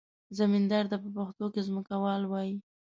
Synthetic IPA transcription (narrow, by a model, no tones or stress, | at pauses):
zamind̪aɾd̪apəpaxt̪okezməkawɑlwɑji